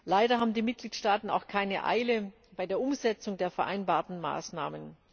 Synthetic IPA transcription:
laɪdɐɦaːbm̩diːmɪt̚ɡ̥liːtʃtaːtn̩a̰ʊxkʰaɪnəʔa̰ɪlə | b̥aɪdeːɐʔʊmzɛt͡sʊŋdeːɐfɛɐʔa̰ɪnbaːɐtn̩ma̰ːsna̰ːmən

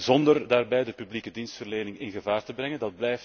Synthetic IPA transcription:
zɔndərdaːrbɛjdəpyblikədinstfərleːnɪŋɪnɣəvaːrtəbrɛŋəndɑd̚blɛjft

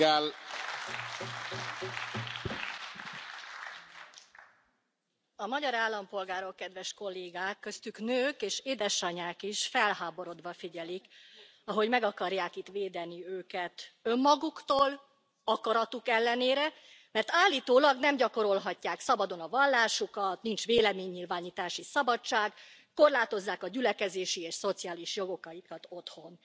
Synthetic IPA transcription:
l | ɒmɒɟɒɾaːlːɒmpo̞lɡaːɾo̞kːɛd̪ʋɛʃko̞lːeːɡaːkːø̞st̪yknøːkeːʃeːd̪ɛʃɒɲaːkiʃfɛlhaːbo̞ɾo̞d̪ʋɒfiɟɛlik | ɒɦo̞ɟmɛɡɒkɒrjaːkit̪ʋeːd̪ɛniøːkɛt̪ø̞mːɒɡukt̪oːl | ɒkɒɾɒt̪ukɛlːɛneːɾɛ | mɛrt̪aːlːiːt̪oːlɒɡnɛmɟɒko̞ɾo̞lɦɒcːaːksɒbɒd̪o̞nɒvɒlːaːʃukɒt̪nint͡ʃʋeːlɛmeːɲːilvaːɲiːt̪aːʃisɒbɒt͡ʃaːɡː | o̞rlaːt̪o̞zːaːkɒɟylɛkɛzeːʃieːʃso̞t̪siaːliʃjo̞ɡo̞kɒikɒt̪o̞t̪ho̞n

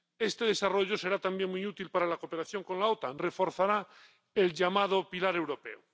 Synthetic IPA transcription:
e̞st̪e̞ðe̞saro̞ʎo̞se̞ɾat̪ambje̞ŋmujut̪ilpaɾalakope̞ɾaθjo̞ŋko̞nlaot̪anre̞fo̞ɾθaɾa | elʎamað̞opilaɾe̞wɾo̞pḛo

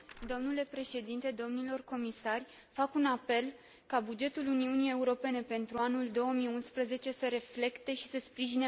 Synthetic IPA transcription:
d̪o̞mnule̞pɾe̞ʃe̞d̪int̪e̞d̪o̞mnilo̞rko̞misarʲ | fakunape̞l | kabud͡ʒe̞t̪uluniunije̞uɾo̞pe̞ne̞pe̞nt̪ɾuanuld̪o̞wəmiunspɾəze̞t͡ʃe̞səɾe̞fle̞kt̪e̞ʃi̥səspɾiʒine

